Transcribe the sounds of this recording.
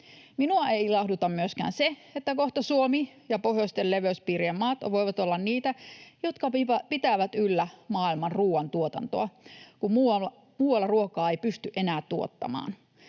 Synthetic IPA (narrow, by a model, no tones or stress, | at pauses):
minuɑeilɑhdut̪ɑmmyøskæ̰ːnseet̪ːækoht̪ɑsuomijɑpohjost̪elleʋøspiːriemːɑːt̪ɑʋojʋɑt̪olːɑnniːt̪æjot̪kɑipit̪æːʋæt̪ylːæmɑːilmɑnruːwɑnt̪uot̪ɑ̰nt̪o̰ɑkummuːɑ | muːwɑlːɑruokɑːejpyst̪yʔenæːtt̪uo̰t̪ːɑ̰mɑ̰ːn